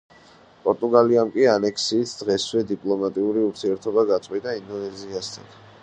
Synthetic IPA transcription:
pʼɔɾt̪ʼuɡaliamkʼianɛkʰsiːsʰd̪̥ʁɛswɛd̪ipʼlˠɔmat̪ʼiuɾiuɾt̪ʰiɛɾt̪ʰɔbaɡat̪sʼwit̪ʼaind̪ɔnɛziast̪ʰa̰n

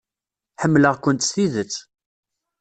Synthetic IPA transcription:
ħəmːləʁkʷənt̪sθiðət͡sː

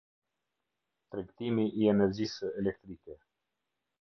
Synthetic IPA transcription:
t̪ɾɛkt̪imiʔiɛnɛɾd͡ʑisəɛlɛk̚t̪ɾikɛ

